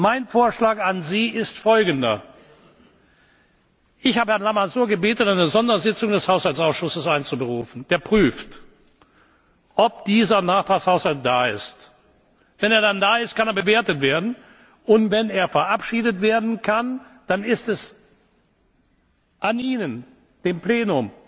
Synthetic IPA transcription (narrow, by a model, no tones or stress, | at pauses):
maɪnfoːɐʃlaːkanziːɪstfɔlɡən̩dɐ̰ | ʔɪçhaːbəhɛɐnlamazuːɐɡəbeːtn̩aɪnəzɔndɐzɪt͡sʊŋdɛshaʊshalt͡saʊsʃʊsəsaɪnt͡subəʁuːfn̩d̥eːɐpʁ̥yːft | ʔɔp̚d̥iːzɐnaːχtʁ̥aːkshaʊshalt̚d̥aːɪ̰st | vɛneːɐdandaːɪst̚kʰaneːɐbəveːɐtətv̥eːɐdn̩ | ʔʊntv̥ɛneːɐfɛɐʔapʃiːdətv̥eːɐdn̩kʰand̥anɪstɛs | ʔaniːnən | d̥eːmpleːnʊm